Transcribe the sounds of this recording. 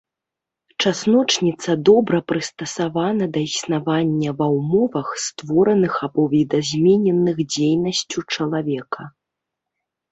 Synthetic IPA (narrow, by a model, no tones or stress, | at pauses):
t͡ʂasnɔt͡ʂnʲit̪sɐd̪ɔbɾɐpɾɨst̪ɐsavanɐd̪ɐisnavanʲːɐvɐwmɔvɐxst̪vɔɾɐnɨxabɔvʲid̪azʲmʲɛnʲɛnːɨxd͡zʲejnɐsʲt͡sʲut͡ʂɐlˠavʲɛkɐ